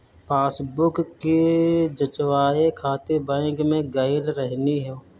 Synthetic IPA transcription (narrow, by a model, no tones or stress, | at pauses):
paːsbʊkkːid͡ʒət͡ʃwaːekʰaːt̪ebɛ̃ːkmẽɡaɪlɾɛɦniɦɛ